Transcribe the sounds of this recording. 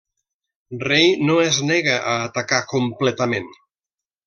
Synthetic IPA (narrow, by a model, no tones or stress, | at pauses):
rejnoezneɣəʔaːt̪akakumplɛt̪əmen